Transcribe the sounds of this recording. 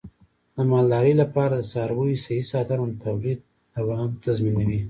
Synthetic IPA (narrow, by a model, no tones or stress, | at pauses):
d̪əmɑld̪ɑɾəjlapɑɾad̪əsɑɾbujisahisɑt̪aɾant̪awlid̪̚ | awaɦamt̪azminawi